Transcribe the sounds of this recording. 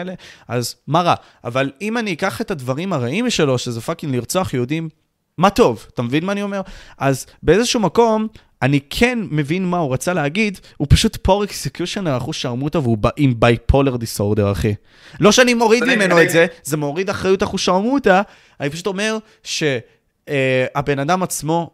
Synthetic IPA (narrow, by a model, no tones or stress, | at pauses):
leazmaʁa | a̰valimaniːkaχetadvaʁimaʁaimʃe̞lo̞ʃezefakinliʁt͡so̞aχjud̪imː | ato̞vatamevinmaːnio̞me̞ʁʔazbe̞ezeʃuumako̞m | anikʰe̞nme̞vinmauʁat͡saleaɡidhupaʃut̪pʰo̞ʁeksekjuʃonalaχuʃamutaveubaʔimbajpʰo̞leʁd̪iso̞ʁde̞ʁaχe | lo̞ʃeanimo̞ʁidmime̞noetzeze̞moːʁidaχʁajutaχuʃamuta | anipaʃu̥t̪o̞me̞ʁ | ʃe̞ | abe̞nadamat͡smo̞